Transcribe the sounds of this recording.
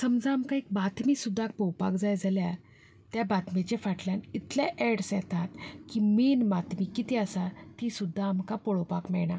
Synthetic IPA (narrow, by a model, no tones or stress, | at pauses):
səmd͡zaːmkaek̚bat̪ʰmisud̪ʱːak̚pɔwpakd͡zajd͡zalja | t̪jabat̪met͡ɕefaʈljanit̪ljaʔeɽsjɛt̪ʰat̪kiminmat̪ʰmikit̪iəsat̪isud̪ʱːaːmkapɔɭopakmɛɭɳa